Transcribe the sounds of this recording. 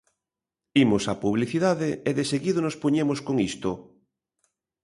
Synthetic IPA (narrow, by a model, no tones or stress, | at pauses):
imosapuβ̞liθiðaðeeðeseɣiðonospoɲemoskoŋist̪o